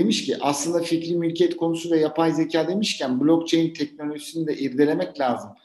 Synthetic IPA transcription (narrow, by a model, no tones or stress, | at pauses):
emiʃciʔaslˠɯnd̪aficɾimylʲcʰɛt̪kʰo̞nusuvɛjapʰajze̞cʰaːd̪e̞miʃcʰænblʲok̚t͡ʃʰejint̪ʰɛc̚no̞lʲoʒisinid̪ɛʔiɾd̪elʲe̞mɛclʲaːzɯm